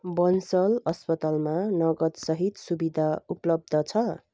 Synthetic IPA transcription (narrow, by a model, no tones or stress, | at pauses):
bʌnsʌlʌspʌt̪almanʌɡʌt̪sʌɦit̪subid̪ʱauplʌb̚d̪ʱʌt͡sʰʌ